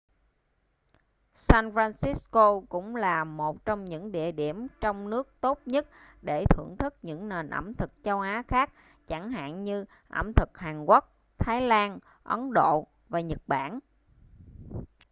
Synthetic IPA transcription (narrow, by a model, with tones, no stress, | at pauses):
saː˧nfɾaː˧nsi˦˥sko˧kʊ̰˧˥ŋ͡mlaː˨˩mo˨˩t̚t͡ɕɔ˧wŋ͡mɲɨ̰˧˥ŋɗḭ˧˨əɗi˧˩əmt͡ɕɔ˧wŋ͡mnɨ˦˥ək̚t̪o˦˥t̚ɲə˦˥t̚ɗe˧˩t̪ʰɨ̰˧˩əŋt̪ʰɨ˦˥k̚ɲɨ̰˧˥ŋne˨˩nʔə̰˧˩mt̪ʰɨ˨˩k̚t͡ɕə˧wʔaː˨˦xaː˦˥k̚ | t͡ɕa˧˩ŋɦa̰ː˧˨nɲɨ˧ | ʔə̰˧˩mt̪ʰɨ˨˩k̚haː˨˩ŋkwə˦˥k̚ | t̪ʰaː˨˦jlaː˧n | ʔə˨˦nɗo̰˧˨ | vaː˨˩ɲə˨˩t̚ɓa̰ː˧˩˨n